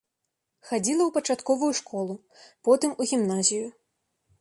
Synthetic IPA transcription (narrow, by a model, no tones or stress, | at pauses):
xad͡zʲilˠɐwpɐt͡ʂat̪kɔvujuʂkɔlˠu | pɔt̪ɨmuɣʲimnazʲiju